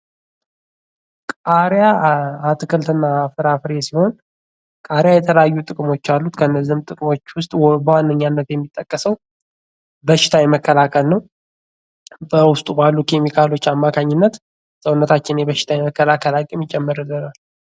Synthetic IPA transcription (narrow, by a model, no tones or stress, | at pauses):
kʼaɾjaat̪ʰɨkʰɨlt̪ɨnːafɨɾafɾesiho̞n | kʼaɾjajɛt̪ʰələjajːut̪ʼɨkʼmo̞t͡ʃːalːut̪kʰənːəzːihmt̪ʼɨkʼmo̞t͡ʃːwʊst̪ʼbəwanːəɲːanːət̪jɛmːit̪ʼːəkʼːəsəw | bəʃɪ̥t̪ʰajɛməkʰːəlakʰəlnəw | bəwʊst̪ʼubalːukʰemikʰalo̞t͡ʃːamːakʰaɲːɪnːət̪ | səwʊnːət̪ʰat͡ʃːɪnjɛbəʃɪ̥t̪ʰajɛməkːəlakʰəlakʼiemɪt͡ʃʼːɛmːɨɾɨlːənal